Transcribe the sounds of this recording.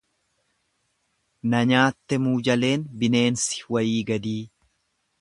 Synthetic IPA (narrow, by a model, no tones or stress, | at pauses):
nɐɲaːt̪ːɛmuːd͡ʒɐle̞ːnbɪne̞ːnsɪ̥wɐjiːɡɐd̪iː